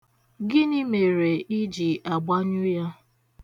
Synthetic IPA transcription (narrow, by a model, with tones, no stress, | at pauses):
ɡɪ˦ni˦me˨ɾe˨ʔi˦d͡ʒi˨ʔa˨ɡ͡ba˦ɲʊ˦ja˦